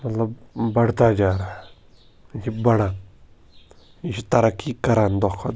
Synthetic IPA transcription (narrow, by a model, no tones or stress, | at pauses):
mɐt̪lɐbbɐɽ̤t̪ad͡ʒaːɾaː | iʃibɐɽaːn | iʃit̪ɐɾɐkːikɐɾand̪ɔkʰːat̪